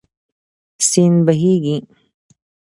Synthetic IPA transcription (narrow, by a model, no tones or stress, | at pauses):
siːnbɐɦiːɡĩ